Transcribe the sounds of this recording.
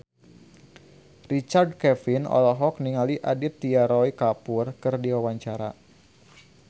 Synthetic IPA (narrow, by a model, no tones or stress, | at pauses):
rit͡ʃard̚kɛfinɔ̰lɔɦɔk̚niŋaliʔadɪt̪ːiaɾɔikapurkɨrdiwawaɲt͡ʃaɾa